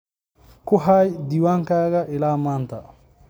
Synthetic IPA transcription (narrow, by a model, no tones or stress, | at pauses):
kʊɦajdiwaŋkaːɡɐʔɪlaːmaːnta